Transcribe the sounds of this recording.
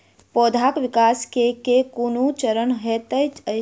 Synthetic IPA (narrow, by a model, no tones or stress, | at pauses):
pɔd̪ʱakʋikaskekekunut͡ʃəɾənɦet̪əjt͡ʃə